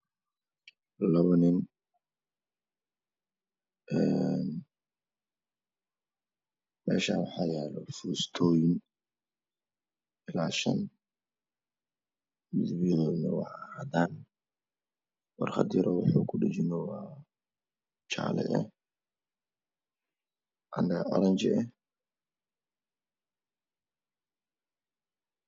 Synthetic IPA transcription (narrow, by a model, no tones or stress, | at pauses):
lɐβɐnɪn | ɛn | mɛːʃaːwɑħɑːjɛːlɔfuːst̪ʰɔːjɪn | ɪlaːʃɐ̰n | ɪd̪bijɔðɔnɐwɑʕhad̪aːn | wɑrχɑd̪ɪɾɔwʊħuːkʰʊɖɪt͡ʃɪnɔwa | t͡ʃa̰ːlɛ̰ʔɛ̰ | ʔand̪ɛɔɾɛnt͡ʃɪɛ